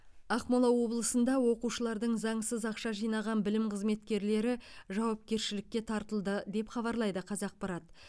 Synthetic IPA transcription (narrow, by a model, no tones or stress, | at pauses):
ɑqmolˠɑwo̞blˠəsənd̪ɑwo̞quʃəlˠɑɾd̪əɴzɑɴsəzɑqʃɑʒijnɑʁɑnbɪlɪmqʰəzme̞t̪kʲe̞ɾle̞ɾɪʒɑwɑp̚kʲe̞ɾʃɪlɪkʲːe̞t̪ʰɑɾt̪əlˠd̪əd̪e̞pχɑβɑɾlˠɑjd̪əqʰɑzɑq̚pɑɾɑt̪